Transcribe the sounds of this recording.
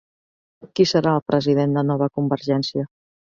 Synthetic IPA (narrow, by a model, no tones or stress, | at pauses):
kisəɾaəlˠpɾəziðend̪ənɔβ̞əkumbəɾʒɛnsiə